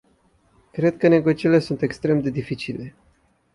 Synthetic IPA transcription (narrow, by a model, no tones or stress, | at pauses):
kɾe̞d̪̚kəne̞ɡot͡ʃiɾilesunt̪e̞kst̪ɾe̞md̪e̞d̪ifit͡ʃile̞